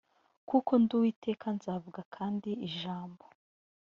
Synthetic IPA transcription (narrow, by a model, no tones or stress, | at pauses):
kukʰo̞nduwiːte̞ːkʰanzaːvuɡakʰaːndiiʒaːmbo